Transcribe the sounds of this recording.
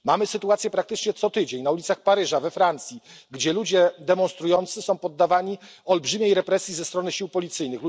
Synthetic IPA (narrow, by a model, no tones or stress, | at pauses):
mamɘsɘt̪uat̪sʲjɛpɾak̚t̪ɘt͡ʂɲɛt̪sɔt̪ɘd͡ʑeɲnaulʲit̪saxpaɾɘʐavɛfɾant̪sʲjiɡd͡ʑɛlud͡ʑɛd̪ɛmɔnst̪ɾujɔnt̪sɘsɔ̃w̃pɔd̪ːavaɲiɔlbʐɘmʲjejɾɛpɾɛsʲjizɛst̪ɾɔnɘɕiwpɔlʲit̪sɘjnɘxlu